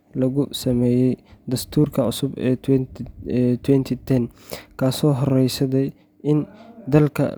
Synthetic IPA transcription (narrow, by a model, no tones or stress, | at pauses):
lɐɣʊsɐmɛːjɛjd̪ɐst̪ʰuːrkʰɐʊsʊbɛ̰ːw | t̪ʰwɛnt̪ʰit̪ʰɛn | kʰaːsɔːɦɔrɛjsɐd̪ɛj | ɪnd̪ɐlkʰɐ̰